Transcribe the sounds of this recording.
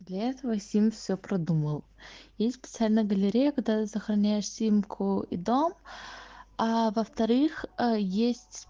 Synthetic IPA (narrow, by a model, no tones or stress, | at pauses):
d̪lʲɐɛt̪əvəsʲimʲfsʲopɾɐd̪uməlˠ | jesʲt̪ʲsʲpʲɪt̪sɨalʲnəjəɡəlʲɪɾʲejəkɐɡ̚d̪at̪ɨsəxɾɐnʲæjɪʂsʲimkʰʊḭd̪om | avəft̪ɐɾɨxjesʲtʲ